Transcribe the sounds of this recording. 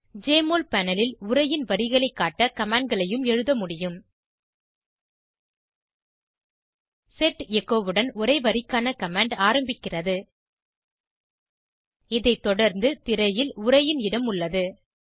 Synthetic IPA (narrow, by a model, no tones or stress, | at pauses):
d͡ʒeːmoːlpɐnɐlɪlʊɾɐjɪnʋɐɾɪɣɐɭɐɪkːaːʈːɐkɐmaːɳɖ̚ɡɐɭɐjɯmɛɻɯðɐmʊɽɪjɯm | sɛʈjɛɣoːʋɯɽɐnʊɾɐɪʋɐɾɪkːaːnɐkɐmaːɳɖaːɾɐmbɪkːɪrɐðɯ | ɪðɐɪt̪ːɔɽɐɾnd̪ɯt̪ɪɾɐjɪlʊɾɐjɪnɪɽɐmʊɭːɐðɯ